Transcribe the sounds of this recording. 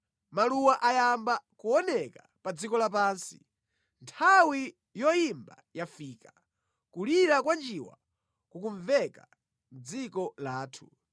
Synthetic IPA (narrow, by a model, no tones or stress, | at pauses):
maluwaʔajambakuɔnɛka | pad͡zikɔlap̬aːnsi | ntʰawi | jɔjimba | jafiːka | kuliɾakwand͡ʒiwa̰ | kukuɱvɛka | m̩d͡zikɔlaːtʰu